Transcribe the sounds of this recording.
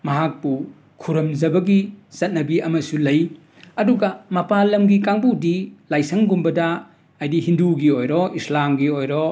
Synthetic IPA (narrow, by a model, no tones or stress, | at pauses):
mɐɦak̚pu | kʰuɾɐmzɐbɐɡisɐt̚nɐbiʔɐmɐsulɐj | ɐduɡɐmɐpalɐmɡikaŋbudilajsɐŋɡumbɐdɐː | jdihinduɡiojɾɔʔislamɡiojɾɔ